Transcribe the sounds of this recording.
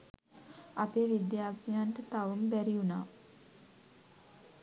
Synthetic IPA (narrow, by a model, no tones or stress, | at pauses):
apeːʋid̪jaːkijaɳʈət̪aʋumbæɾiunaː